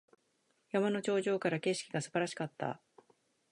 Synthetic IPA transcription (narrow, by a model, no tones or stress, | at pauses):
jamano̞t͡ɕo̞ːʑo̞ːkaɾake̞ɕi̥kʲiɡasɨbaɾaɕi̥kat̪ːa̰